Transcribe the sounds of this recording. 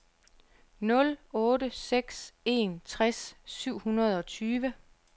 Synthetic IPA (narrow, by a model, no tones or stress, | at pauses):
nɔ̽lɔ̽ːɾəseɡ̥se̝nt͡sʰʁasːyʊ̰hunɐð̞ˠɒ̽t͡sʰyːʋə